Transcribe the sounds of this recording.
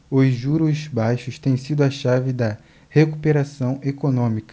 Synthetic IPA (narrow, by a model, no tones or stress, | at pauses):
ʊʒuɾʊzbajʃʊʃt̪ẽj̃sid̪ʊɐʃavɪd̪ɐ | hekupeɾasɐ̃w̃ekonõmikɐ